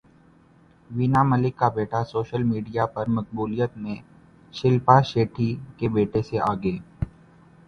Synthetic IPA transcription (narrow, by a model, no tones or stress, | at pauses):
ʋinamɐlɪkːabeːʈʰasoːʃəlmiːɖijapɐɾmɐk̚buːlijət̪mẽ | ʃɪlpaʃeːʈʰikebeːʈʰeseʔaːɡeː